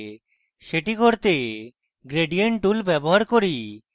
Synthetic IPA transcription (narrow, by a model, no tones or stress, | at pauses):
ʃeʈikoɾt̪e | ɡɾeɖieɳʈʈulbɛboɦaɾkoɾi